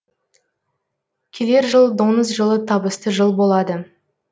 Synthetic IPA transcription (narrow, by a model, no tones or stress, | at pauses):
kʲʰele̞ɾʒəlˠd̪o̞nəzʒəlˠət̪ʰɑbəst̪əʒəlˠbo̞lˠɑd̪ə